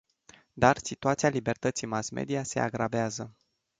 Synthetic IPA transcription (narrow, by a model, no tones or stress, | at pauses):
d̪arsit̪uat̪sialibe̞rt̪ət̪sijmasme̞̰d̪iase̞̰a̰ɡɾabeazə